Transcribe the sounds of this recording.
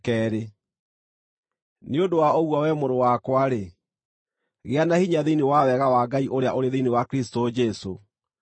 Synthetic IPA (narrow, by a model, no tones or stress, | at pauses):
kɛɾe | neodowaoɣwawɛmoɾowakwaɾe | ɣeanahiɲaðenewawɛɣawaɡaiʔoɾeaʔoɾeðinewakɾistod͡ʒɛso